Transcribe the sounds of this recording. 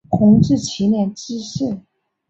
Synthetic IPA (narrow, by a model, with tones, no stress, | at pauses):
kʰʊ˧˥ŋʈ͡ʂɻ̩˥˩t͡ɕʰi˧˥njɛ˥˩nt͡ɕi˥ɕi˥˩